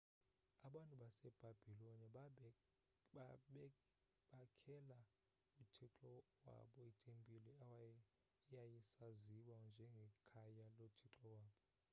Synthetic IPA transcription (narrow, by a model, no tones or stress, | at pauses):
aɓantʼuɓasɛb̥ʱab̥ʱiloni | ɓ | ɓakʰɛla | utʰiǁɔwa̰ɓɔitʼempʼilɛ | jajisaziwand͡ʒʱɛŋɡʱɛkʰajalotʰiǁɔwaːɓɔ